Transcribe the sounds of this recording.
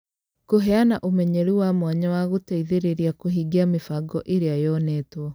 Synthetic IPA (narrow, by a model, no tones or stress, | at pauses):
koɦɛanaʔomɛɲɛɾiwamwaɲawaɣotaiðeɾeɾiakoɦiɡeamefaɡɔʔeɾeajɔnetwɔ